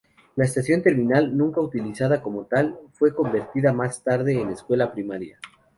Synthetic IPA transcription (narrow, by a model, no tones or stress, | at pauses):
laest̪asjo̞nt̪e̞ɾmĩnalnũŋkaut̪ilisaðako̞mo̞t̪alfwe̞ko̞mbe̞ɾt̪iðamast̪aɾðe̞ːne̞skwe̞lapɾimaɾja̰